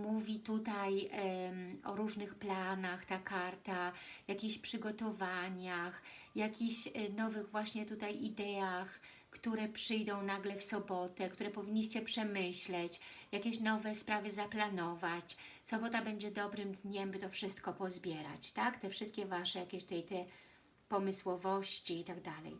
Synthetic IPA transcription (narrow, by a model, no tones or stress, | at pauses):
muvʲit̪ut̪aj | ɔɾuʐnɘxplanaxt̪akaɾt̪ajakʲiɕpʂɘɡɔt̪ɔvaɲaxjakʲiɕnɔvɘɣvwaɕɲɛt̪ut̪ajʔid̪ɛax | kt̪uɾɛpʂɘjd̪ɔ̃w̃naɡlɛfsɔbɔt̪ɛkt̪uɾɛpɔvʲiɲʲːiɕt͡ɕɛpʂɛmɘɕlɛt͡ɕjakʲeɕnɔvɛspɾavɘzaplanɔvat͡ɕ | sɔbɔt̪abɛɲd͡ʑɛd̪ɔbɾɘmd̪ɲɛmbɘt̪ɔfʂɘst̪̚kɔpɔzbʲjɛɾa̰t͡ɕt̪akt̪ɛfʂɘst̪̚kʲɛvaʂɛjakʲeɕt̪ɛjt̪ɛ | pɔmɘswɔvɔɕt͡ɕiit̪aɡd̪alɛ̰j